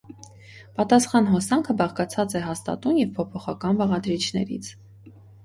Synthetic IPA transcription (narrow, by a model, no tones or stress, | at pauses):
pɑt̪ɑsχɑnɦɔsɑŋkʰəbɑʁkɑt͡sʰɑt͡sɛɦɑst̪ɑ̰t̪unjɛvpʰɔpʰɔχɑkɑnvɑʁɑd̪ɾit͡ʃʰnɛ̰ɾḭt͡sʰ